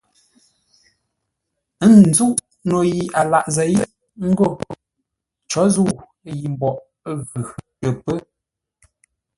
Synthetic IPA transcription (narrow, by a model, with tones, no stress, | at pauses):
n˨zu˦ʔ | no˨ji˨a˨la˨ʔzə˨˦j | ŋ̩˦ɡo˦˨ | t͡ʃɔ˨˦zu˦˨ | ji˨m˨bɔ˨ʔ | ɣʉ˨tə˨pə˦